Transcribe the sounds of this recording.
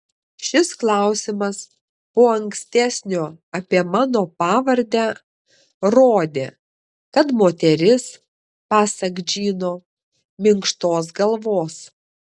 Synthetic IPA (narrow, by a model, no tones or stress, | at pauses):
ʃʲɪsklˠɑˑʊsʲɪmɐs | poːɐŋksʲt̪ʲæsʲnʲoːɐpʲiɛmɑːnoːpɑːʋɐɾʲd̪ʲæː | ɾoːd̪ʲeː | kɐt̪moːt̪ʲɛɾʲɪs | pɑːsɐɡd͡ʒʲiːnoː | mʲɪŋkʃt̪oːs̬ɡɐlˠʋoːs